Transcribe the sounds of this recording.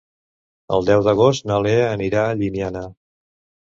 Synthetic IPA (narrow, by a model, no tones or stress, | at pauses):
ə̰lˠd̪ɛwðəɣost̪nəleəniɾaʎinianə